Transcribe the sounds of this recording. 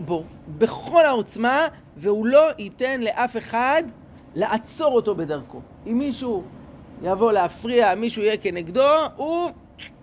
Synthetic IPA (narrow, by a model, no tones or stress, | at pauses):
bo̞ | be̞χo̞lhao̞t͡sma | veulo̞ʔite̞nle̞ʔafe̞χad | leʔat͡so̞ʁo̞to̞be̞daʁko̞ | imːiʃujavo̞leafʁiamiʃuijeke̞neɡdou